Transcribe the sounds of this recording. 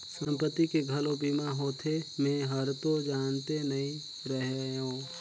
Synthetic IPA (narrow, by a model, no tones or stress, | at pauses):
sə̃mpət̪ːikeɡʱəlobimaɦoːt̪ʰemẽːɦəɾt̪od͡ʒaːnt̪enɐɦĩ | ɾəɦeõː